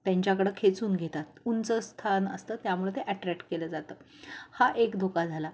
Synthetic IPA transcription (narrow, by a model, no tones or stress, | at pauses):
t̪jaɲt͡ɕjakəɽəkʰet͡suːnɡʱet̪at̪̚unt͡səst̪ʰanə̰st̪ət̪jamuɭet̪eʔæʈɾæk̚ʈkeləd͡zat̪əː | haʔekd̪ʱokad͡zʱala